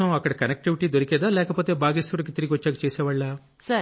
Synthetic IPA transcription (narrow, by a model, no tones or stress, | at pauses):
ɐmɐkːɐɽɐkɐnek̚ʈiʋiʈiːd̪oɾikɛːd̪aːlɛːkɐpoːt̪e̞ːbʱaːɡisɾulɐkit̪iɾiɡʲiʋɐt͡ʃːaːkɐt͡ʃeːsɛːʋaːɭːaː | sɐ